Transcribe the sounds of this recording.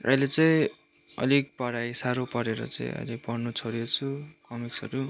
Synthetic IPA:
ʌ̰jlet͡sʌĩ | ʌ̰lik̚pʌɽajsaɾopʌɾeɾʌ̰t͡sʌ̰ḭ̃ʌ̰jlepʌrnut͡sʰoɾjot͡sʰukʌmiksʌɾu

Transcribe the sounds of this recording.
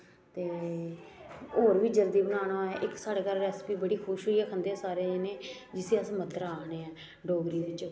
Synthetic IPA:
t̪eː | oːɾʋiːd͡ʒəld̪iːbənaːɽ̃aːɛːʔɪksaːɽeːkəɾːɛːspiːbəɽiːkʰʊʃoːiɛːkʰənd̪eːɛːsaːɾeenẽː | d͡ʒɪsẽːəsmət̪ːəɾaːneːɛː | ɖoːɡɾiːdɪt͡ʃ

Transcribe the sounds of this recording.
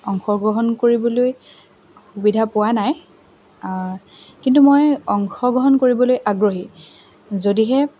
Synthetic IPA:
ɔŋxɔɡɹɔɦɔnkoɹibɔloj | xubidʱapʊwanaj | kintumojɔŋxɔɡɔɦɔnkoɹibɔlojʔaɡɹoɦi | zodiɦɛ

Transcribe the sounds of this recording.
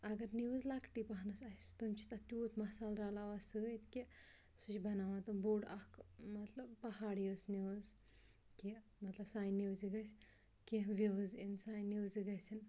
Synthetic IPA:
ɐɡɐɾniwzlakʈipɐɦnɐsɐst̪ɨmt͡ʃʰi̥t̪ɐt̪ʲuːt̪ʰmɐsaːlɾaːlaʋasɨit̪ʰki | sut͡ʃʰbɐnaːʋat̪ɨmbuːɖɐkmɐt̪lɐb̚pɐɦaːɽjosniwz | ki | mɐt̪lɐbsaːjniwziɡɐsʲ | kiʋiɣɨzinsaːjniwziɡɐsʲin

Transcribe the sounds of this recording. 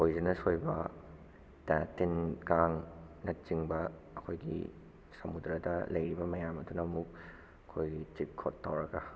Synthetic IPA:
ojzinɐsojbɐ | tatinkaŋnɐt̚t͡ʃiŋbɐː | kʰojɡḭ | sɐmud̪ɾadɐlɐjɾibɐmɐjamɐdunɐmuk̚ | kʰːojɡit͡ʃip̚kʰotːawɾɐka

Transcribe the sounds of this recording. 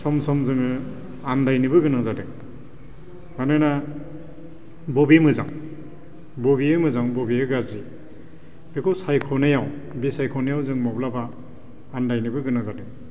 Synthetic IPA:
sɔmsɔmzɯŋɯ | andajnibɯɡɯnazadɯŋ | manɯna | bɔbimɯzaŋ | bɔbiɯmɯzaŋbɔbiɯɡazi | bekʰɔsajkʰɔnajaw | bisajkʰɔnajawzɯŋmɔblabaː | ndajnɯbɯɡɯnazadɯŋ

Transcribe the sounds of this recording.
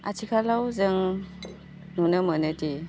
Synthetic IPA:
a̰tʰikʰalawzɯŋ | nunəmənɯdi

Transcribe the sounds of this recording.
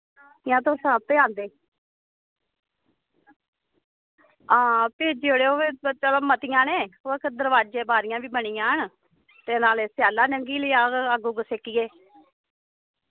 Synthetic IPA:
ɪjãːt̪oːsəb̚t̪eːãːnd̪eː | ãːpeːd͡ʒeːoɽeːoːeːət͡ʃəloːmət̪ɪjãːnẽːoːkəd̪əɾʋaːd͡ʒeːbaːɾɪjãːʋiːbəɳiːjãːɦən | t̪eːnaːleːsɪjaːlãːnəŋɡiːləːaːɡəɡuːɡəsekiɡeː

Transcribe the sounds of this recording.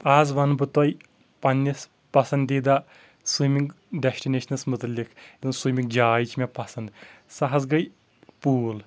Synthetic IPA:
aːzʋɐnbɨt̪ɔj | pɐnʲːis | pɐsɐnd̪iːd̪a | sumiŋɡ | ɖɛsʈineʃɐnɐsmʊt̪ɐlːikʰed̪ɐnsumʲiŋk̚d͡ʒaːjt͡ʃʰmʲepɐsɐnd̪sɐɦɐsɡɐj | puːl

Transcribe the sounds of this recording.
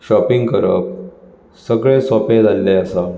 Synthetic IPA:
ɕɔpiŋɡkəɾəp̚ | səɡɭẽsɔpẽd͡zalːeəsa

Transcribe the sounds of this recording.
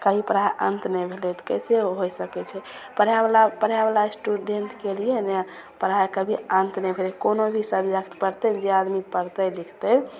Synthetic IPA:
kəɦipəɾaʔə̰̃nt̪nɛjbʱelɛt̪ʰkɛseoɦojsəkɛt͡ʃʰɛ | pəɾablapəɾjabalasʈuɖeɳʈkelijena | pəɾaekəbʱiənt̪nɛbʱelɛkonobʱisəbd͡ʒakʈpəɾt̪ɛnd͡ʒead̪mipəɾt̪əlikʰt̪ə

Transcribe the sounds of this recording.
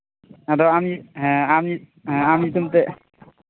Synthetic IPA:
ɛdɔamiɦami | ɦamit̪umt̪ɛ

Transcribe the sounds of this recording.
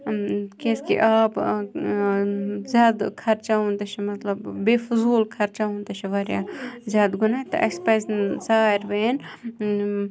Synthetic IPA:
keskḭʔaːb | zʲaːd̪kʰɐɾt͡ʃaɦũnd̪ɐt͡ʃʰimɐt̪lɐbːefʊzuːlkʰɐɾt͡ʃaːũnt̪ɐʃʰiʋɐɾja̰ːzʲjaːd̪ɡʊnaːt̪ɐ̰ʔɐkspɐzzaːɾʋɐːn

